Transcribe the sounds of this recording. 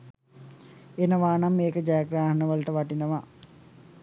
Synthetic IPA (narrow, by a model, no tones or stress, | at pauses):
enəʋaːnamːeːkəd͡ʒajaɡɾaːɦənəʋəluʈəʋaʈinəʋa